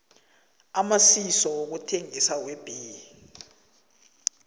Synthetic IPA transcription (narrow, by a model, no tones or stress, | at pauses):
amasisɔwok̬utʰeŋisak̬web̥ʱiːi